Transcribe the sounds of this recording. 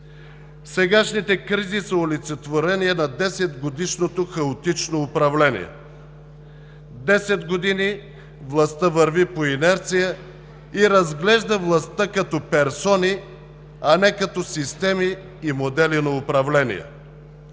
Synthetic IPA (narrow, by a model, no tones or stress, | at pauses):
sɛɡaʃnit̪ɛkɾizisəolit̪sɛt̪voɾɛniɛnɐd̪ɛsɛd̪ɡod̪iʃnot̪oxɐot̪it͡ʃnoːpɾɐvlɛnḭɛ̰ | d̪ɛsɛd̪ɡod̪ini | vlˠɐst̪əvɐɾvipoinɛɾt̪sijə | iɾɐzɡlɛʒd̪əvlˠɐst̪akɐt̪ɔpɛɾsɔni | ɐnɛkɐt̪ɔsist̪ɛmiː | mod̪ɛlinɐʊpɾɐvlɛnḭjɛ̰